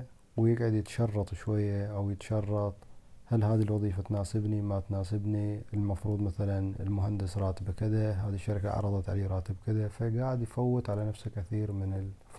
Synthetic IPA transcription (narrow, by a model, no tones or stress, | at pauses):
wjɪɡʕad̪jɪt̪ʃɑrˤːɑt̪ˤʃwajːaʔawjɪt̪ʃɑrˤːɑt̪ˤhalhaːðilwɑðˤiːfat̪naːsɪbnimat̪naːsɪbniɪlmɑfɾuːd̪ˤmaθalanɪ̰lmʊɦand̪ɪsɾˤɑːt̪ɪbkɪðaɦaːðiʃːɑɾka̰ʕɑ̰ɾˤɑðˤɑt̪ʕa̰leːɾˤɑːt̪ɪbkɪðafaɡaːʕɪd̪jfawːɪt̪ʕalanafsakaθiːɾmɪnɪl